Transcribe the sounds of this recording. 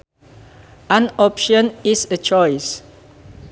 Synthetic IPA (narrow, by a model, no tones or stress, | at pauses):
ãnɔpʃə̃nisət͡ʃɔjs